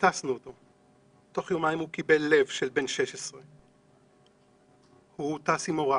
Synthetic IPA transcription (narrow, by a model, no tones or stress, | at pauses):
tasnuot̪o̞ | to̞χjomajimhukibe̞lːe̞vʃelbe̞nʃe̞ʃesʁe | hut̪asimoʁa